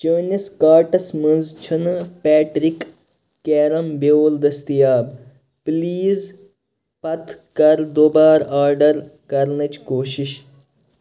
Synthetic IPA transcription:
t͡ʃəːnʲiskaːɾʈɐsmɐ̃nzt͡ʃʰɐnpɛːʈɾikː | eːɾɐmboːld̪ɐst̪ijaːb | pliːz | pɐt̪kɐɾd̪oːbaːɾaːɾɖɐɾkɐɾnɐt͡ʃkoːʃiʃ

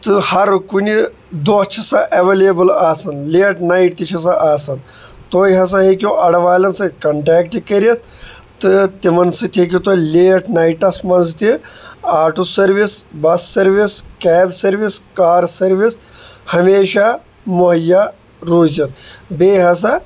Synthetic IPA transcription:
t̪ɨhɐɾkuni | d̪ot͡ʃʰisɐʔɐʋeːlebɨlaːsɐnleːʈnaiʈt̪it͡ʃʰis̬ɐʔaːsɐn | t̪oːiɦɐs̬ɐɦekʲjoʔɐɽʋaːlʲɐnsɨkɐɳʈaːkʈikɐɾiɐt̪ | t̪ɨt̪imɐnsɨt̪ʰek̬ʲit̪oːleːʈnaiʈɐsmɐnzt̪iaːʈusɐɾʋisbɐsːɐɾʋiskɛːbsɐɾʋiskaːɾsɐɾʋishɐmeːʃa | moɦɐjːa | ɾoːzɐt̪beːɦɐs̬a

